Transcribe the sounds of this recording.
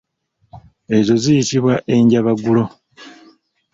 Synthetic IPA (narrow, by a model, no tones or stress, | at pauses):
e̞zo̞zijitiβwaʔe̞ɲɟaβaɡulo̞